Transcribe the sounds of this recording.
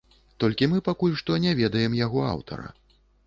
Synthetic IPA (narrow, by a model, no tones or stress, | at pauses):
t̪ɔlʲkʲimɨpakulʲʂt̪ɔnʲɛvʲɛd̪ɐjɛmjaɣɔa̰wt̪ʰɐ̰ɾɐ̰